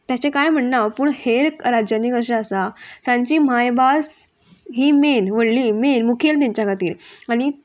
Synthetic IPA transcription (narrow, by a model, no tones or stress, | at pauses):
t̪jat͡ɕẽkajm̤əɳːaʋpuːɳheɾkɾad͡ʑjanikəʂəːsat̪jãɲt͡ɕiːm̤ajbas | ɦiːmenʋəɽliːmenmukʰelt̪aɲt͡ɕjakʰat̪iːɾaɽ̃i